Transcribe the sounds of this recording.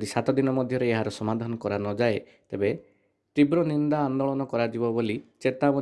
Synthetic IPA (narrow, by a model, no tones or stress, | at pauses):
d̪isat̪ɔd̪inɔmɔd̪ʱjɔɾeeɦaɾɔsɔmad̪ʱanɔkɔɾanɔd͡ʒae | t̪ebe | t̪ibɾɔnind̪aːnd̪ɔɭɔnɔkɔɾad͡ʒibɔbolit͡ʃet̪abɔ